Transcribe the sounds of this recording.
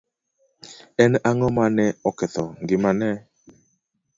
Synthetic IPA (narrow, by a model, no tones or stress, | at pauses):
ɛnaŋɔmanɛɔkɛt̪ɔŋɡɪmanɛ